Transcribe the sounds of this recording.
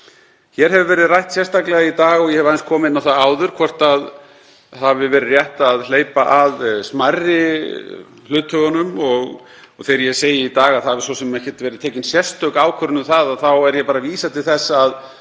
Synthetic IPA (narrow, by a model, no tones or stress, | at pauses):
çɛɾɦɛvɪvɛːɾɪðrajht̪sjɛst̪aklɛɣait̪aːɣɔɣjɛhɛvajnskʰɔːmɪɪnawθaðaːwðʏɾ̥kʰvɔr̥t̪að | havɪvɛːɾɪrjɛht̪aðl̥eːjpaʔaðsmarːɪ | lʏːt̪hœɣanʏmɔɣ | θeːjɾjɛseːjɪit̪aːɣaðθhavɪ̥sɔsɛmɛhcɛt̪vɛɾɪðt̪ʰeːjcɪnsjɛst̪œkaːwkʰœɾʏnʏθaðaðθawɛɾjɛpaːɾaviːsat̪ʰɪlθɛsːaað